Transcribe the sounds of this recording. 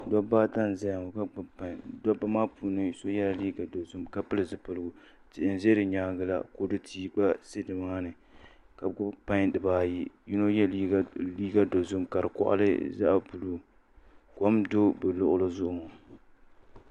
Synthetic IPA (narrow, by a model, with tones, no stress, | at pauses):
dɔ˦baː˦ta˦n˨za˦ja˨ŋo˨ka˦ɡ͡bʊ˦pa˨ɲdɔ˦ba˦maː˦puː˨˦nɨ˦so˦jɛ˦la˨liː˦ɡa˨do˨zʊ˦mka˦pɨ˦lɨ˨zɨ˨pɨ˨lɨ˦ɡʊ˨ | tɪ˨ʔɪ˨n˨ze˦dɨ˨ɲaː˨˦ɡɨ˦la̰˨ko˨dɨ˦tʰiː˦ba˦se˦dɨ˨maː˦nɨ˨ | ka˨ɡʊ˦pa˦ŋdɨ˨baː˦ji˦ji˦no˦jɛ˦li˦liː˦ɡa˦do˨zʊ˦mka˨ɾɨ˨kɔ̰˦ʔa̰˦lɨ̰˦za̰˦ʔpu˨lu˦ | kɔ˨˦mdo˦bɨ˨lʊ˦ʔʊ˦lɨ˦zʊ˦ʔʊ˦˨mo˨